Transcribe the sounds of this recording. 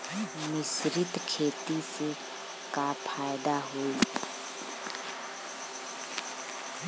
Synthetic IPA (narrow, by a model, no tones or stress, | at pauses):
mɪsɾɪt̪kʰeːt̪ise | kapʰaːjd̪aɦoːi